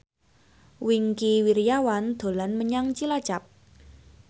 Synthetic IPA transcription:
wiŋkiwiɾjawand̪̥o̤lanməɲaŋt͡ʃilḁt͡ʃap̚

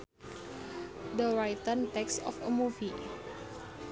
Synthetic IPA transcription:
dəɾajt̪ənt̪ɛksɔ̰fəmuvi

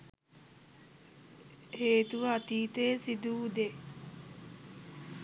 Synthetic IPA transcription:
heːt̪uʋɐat̪iːt̪eːsid̪uːd̪e

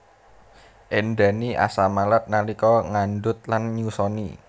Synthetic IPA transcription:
ʔenda̤niʔa̰samalat̪̚nalikɔŋanɖʊt̪̚lanɲusɔnḭ

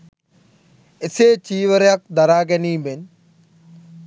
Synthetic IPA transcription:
ɪseːt͡ʃiːʋəɾjɐk̚d̪ɐɾaːɡɐnĩːben

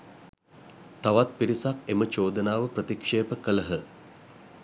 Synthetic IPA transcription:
t̪aʋat̪̚piɾisakemət͡ʃoːd̪ənaːʋəprət̪ikʂeːpəkələɦə

